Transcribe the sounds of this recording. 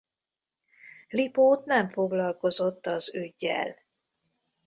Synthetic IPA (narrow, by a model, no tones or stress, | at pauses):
lipoːt̪nɛɱfo̞ɡlɒlko̞zot̪ːɒzøɟːɛ̰l